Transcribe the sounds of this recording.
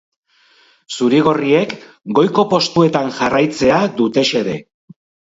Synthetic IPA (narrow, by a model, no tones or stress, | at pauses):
suɾiɣ̞o̞rie̞k | ɡo̞jko̞po̞st̪ue̞t̪anʝarajt͡se̞ad̪ut̪e̞ʃe̞ɾe̞